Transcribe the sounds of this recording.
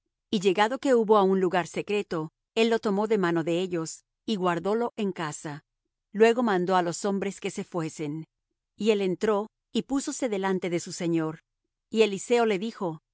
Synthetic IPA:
iʝe̞ɣaðo̞ke̞uβo̞aunluɣaɾse̞kɾe̞t̪o̞ | e̞lːo̞t̪o̞mo̞ðe̞mano̞ðe̞eʝo̞s | iɣwaɾðo̞lo̞ʔe̞ŋkasa | lwe̞ɣo̞mãnd̪o̞alo̞so̞mbɾe̞ske̞se̞fwe̞se̞n | ie̞le̞nt̪ɾo̞ | ipuso̞se̞ðe̞lant̪e̞ðe̞suse̞ɲo̞ɾ | ie̞lise̞o̞le̞ðixo̞

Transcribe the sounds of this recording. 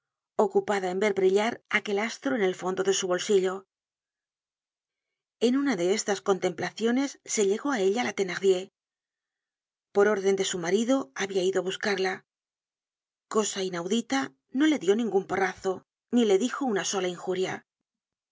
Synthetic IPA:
o̞kupaðae̞mbe̞ɾβɾiʎaɾake̞last̪ɾoe̞ne̞lfo̞nd̪o̞ðe̞suβo̞lsiʎo | e̞nunaðe̞est̪asko̞nt̪e̞mplaθjone̞sːe̞ʎe̞ɣo̞ae̞ʎalat̪e̞naʁðje̞ | po̞ɾo̞ɾðe̞nd̪e̞sumaɾiðo̞aβiaiðo̞aβuskaɾla | ko̞sainawðit̪a | no̞le̞ðjo̞nĩŋɡumpo̞raθo̞ | nile̞ðixo̞unaso̞laiŋxuɾja

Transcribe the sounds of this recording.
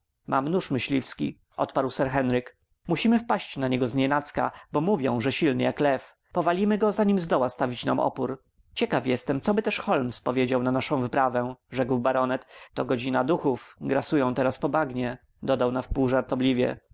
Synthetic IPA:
mʔa̰mnuʂmɘɕlʲifskʲḭ | ɔ̰t̪paɾwsɛɾxɛnɾɘk | muɕimɘfpaɕt͡ɕnaɲɛɡɔzɲɛnat̪ska̰bɔmuvʲjɔ̃w̃ʐɛɕilnɘjaklɛf | pɔvalʲimɘɡɔzaɲimzd̪ɔwast̪avʲit͡ɕna̰mʔɔ̰puɾ | t͡ɕɛkafjɛst̪ɛmt̪sɔbɘt̪ɛʂxɔlmspɔvʲjed͡ʑawnanaʂɔ̃w̃vɘpɾavɛ̃ʐɛɡwbaɾɔnɛt̪ːɔɡɔd͡ʑinad̪uxufɡɾasujɔ̃w̃t̪ɛɾaspɔbaɡɲɛ | d̪ɔd̪awnafpuwʐaɾt̪ɔblʲivʲjɛ̰

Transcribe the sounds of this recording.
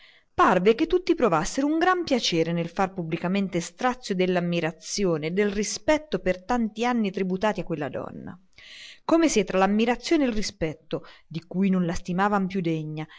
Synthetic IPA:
parveket̪ːut̪ːipɾovasːeɾouŋɡɾampjat͡ʃɛːɾenelfarpubːlikament̪est̪ɾat̪sːjod̪elːamːiɾat̪sːjoːneːd̪ːelrispɛt̪ːopert̪ant̪ianːit̪ɾibut̪aːt̪iakːwelːa̰d̪ɔ̰nːa̰ | komeset̪ːɾalamːiɾat̪sːjoːnelrispɛt̪ːod̪ikujnonlast̪imaːvampjud̪eɲːa

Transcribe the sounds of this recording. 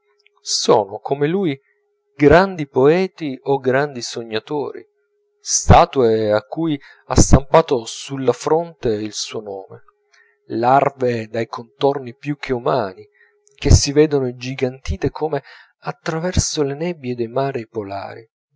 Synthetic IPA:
sɔ̰ːnokʰomeluːj | ɡɾand̪ipoɛːt̪ioɡɾand̪isoɲːat̪o̰ːɾḭ | st̪aːt̪ueakːuːj | ast̪ampaːt̪osulːafɾont̪eilsuːonɔːmḛ | larved̪ajkʰont̪ornipjuk̟ʰːeumaːni | k̟esːivɛːd̪onod͡ʒiɡant̪iːt̪ekʰome | at̪ːɾavɛrsolenɛbːjed̪ejmaːɾipola̰ːɾi

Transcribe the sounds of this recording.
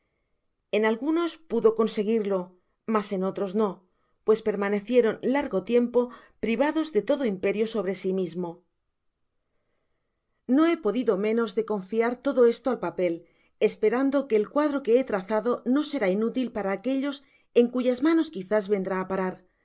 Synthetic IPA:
e̞nalɣuno̞spuðo̞ko̞nse̞ɣ̞iɾlo̞ | mase̞no̞t̪ɾo̞zno̞ | pwe̞spe̞ɾmane̞θje̞ɾo̞nlaɾɣo̞t̪je̞mpo̞pɾiβ̞aðo̞zðe̞t̪o̞ðo̞impe̞ɾjo̞so̞β̞ɾe̞simizmo̞ | no̞e̞po̞ðiðo̞mẽ̞no̞zðe̞ko̞ɱfiaɾt̪o̞ðo̞e̞st̪oalpape̞l | e̞spe̞ɾand̪o̞ke̞ːlkwaðɾo̞ke̞et̪ɾaθaðo̞no̞se̞ɾainut̪ilpaɾaːke̞ʎo̞s | e̞ŋkuʝazmano̞skiθazβe̞nd̪ɾaːpaɾaɾ

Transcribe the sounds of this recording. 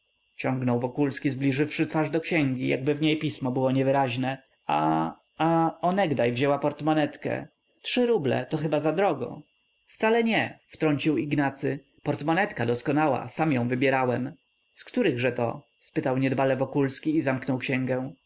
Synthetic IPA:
t͡ɕɔ̃ŋɡnɔwvɔkulskʲizblʲiʐɘfʂɘt̪faʐd̪ɔkɕɛŋɡʲijʔa̰ɡ̚bɘvɲejpʲismɔbɘwɔɲɛvɘɾaʑnɛ | a̰ | aɔnɛɡd̪ajvʑɛwapɔɾt̪mɔnɛt̪kɛ̰ | tʂɘɾublɛ̰t̪ɔxɘbazad̪ɾɔɡɔ̰̃ | ft̪salɛɲɛft̪ɾɔɲt͡ɕiwiɡnat̪sɘ | pɔɾt̪mɔnɛt̪kad̪ɔskɔnawa̰samjɔ̃w̃vɘbʲjɛɾawɛm | skt̪uɾɘɣʐɛt̪ɔ̰ | spɘt̪awɲɛd̪balɛvɔkulskʲiːzamknɔwkɕɛŋɡɛ̃

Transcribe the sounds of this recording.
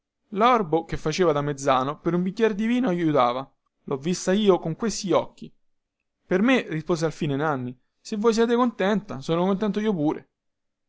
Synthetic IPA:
lɔrbok̟efːat͡ʃeːvad̪amːed̪zaːnopeɾumbikːjɛɾd̪iviːnoajːut̪aːva | lʔɔvːist̪aiːokoŋkwest̪iɔkːi | permerispoːzealfiːnenanːi | sevːojs̬jɛːt̪ekont̪ɛnt̪asoːnokont̪̬ɛnt̪̬oiːopuːɾḛ

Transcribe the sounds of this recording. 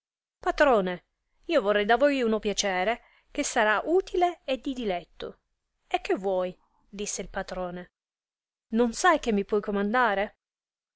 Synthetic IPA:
pat̪ɾoːne | iːovorːɛjd̪avojunopjat͡ʃɛːɾe | k̟esːaɾaʔuːt̪ʰileːd̪ːid̪ilɛt̪ːo | ek̟ːevːwɔːj | d̪isːeilpat̪ɾoːne | nonsajk̟emːipwɔjkomand̪aːɾe

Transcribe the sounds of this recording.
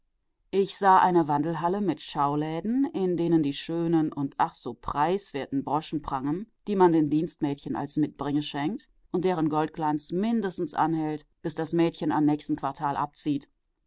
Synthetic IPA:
ʔɪçz̥aːʔaɪnəvandl̩ɦaləmɪtʃaʊlɛːdn̩ʔɪndeːnəndiːʃøːnənʔʊntʔaχz̥oːpʁ̥aɪsv̥eːɐtn̩bʁɔʃn̩pʁ̥aŋənd̥iːmandeːndiːnstmɛːtçəna̰lsmɪt̚b̥ʁɪŋəʃɛŋk̚t | ʔʊnt̚d̥eːʁənɡɔlt̚ɡ̥lant͡smɪndəstn̩sʔa̰nhɛlt | b̥ɪsd̥asmɛːtçəna̰mnɛːçstn̩kv̥aɐtʰaːlʔa̰p̚t͡siːt

